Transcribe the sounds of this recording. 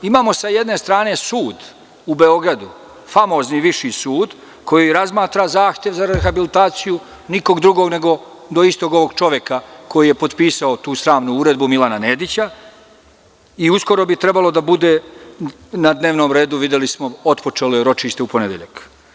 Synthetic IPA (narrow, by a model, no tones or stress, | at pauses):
imaːmo̞sajed̪ne̞st̪ɾaːne̞suːd̪ | ube̞o̞ɡɾad̪u | famo̞ːzniʋiʃisuːd̪ | kʰo̞jiɾazmaːt̪ɾazaːxt̪je̞ʋzaɾexabilit̪aːt̪siju | niko̞ɡd̪ɾuɡo̞ɡne̞ɡo̞ | d̪o̞ist̪o̞ɡo̞ʋoɡt͡ʃo̞ʋjekako̞jije̞po̞d̪piːsaot̪uːst̪ɾaːʋnuuːɾe̞d̪bumilˠananeːd̪it͡ɕa | iusko̞ɾo̞bit̪ɾe̞balo̞d̪abud̪e̞ | nad̪ne̞ːʋno̞ːmɾe̞ːd̪uʋid̪jelismo̞o̞t̪po̞t͡ʂe̞lojeɾo̞t͡ʃiʃt̪eupo̞ned̪jeʎa̰k